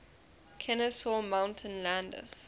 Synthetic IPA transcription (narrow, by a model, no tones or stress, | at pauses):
kʰɛnəsɔmãʊ̃ntʰə̃nlãndə̰s